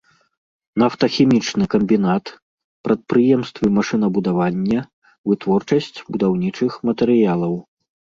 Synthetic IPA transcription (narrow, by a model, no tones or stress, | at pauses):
naft̪ɐxʲimʲit͡ʂnɨkɐmʲbʲinat̪ | pɾɐt̪̚pɾɨjɛmst̪vɨmaʂɨnɐbud̪avanʲːɐ | vɨt̪vɔrt͡ʂɐsʲt͡sʲbud̪awnʲit͡ʂɨxmɐt̪ɛɾɨjalˠɐw